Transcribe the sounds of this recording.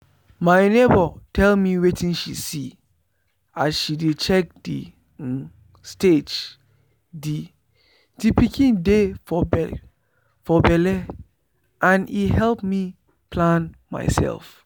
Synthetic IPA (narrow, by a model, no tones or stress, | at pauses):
mãɪnebɔtʰɛlmĩwetʰĩnʃisi | asʃidet͡ʃʰɛk̚di | sted͡ʒ | di | dipʰikʰĩndefɔb | fɔbɛlɛ | ʔãnihɛlpmĩ | pʰlãnmã̰ɪsɛ̰lf